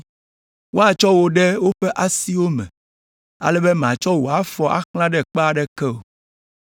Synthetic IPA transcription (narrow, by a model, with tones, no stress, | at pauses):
wʔo˦a˨t͡ʃɔ˦wo˨ɖɛ˦wo˦ɸɛ˦ʔa˦si˦wo˦mɛ̰̃˨ | a̰˨lɛ˦bɛ˦mã˨t͡ʃɔ˦wo˨a˨˦fɔ˨ʔa̰˦klã˦ɖɛ˦k͡pa˨ɖɛ˦kɛ˦o˨